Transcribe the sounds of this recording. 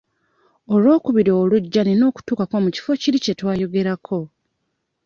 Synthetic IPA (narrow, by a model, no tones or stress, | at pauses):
olwo̞ːkuβiɾoːluɟːanino̞ːku̥tuːkakwomuci̥fo̞ciɾice̞twaːjo̞ɡe̞ɾakʰo̞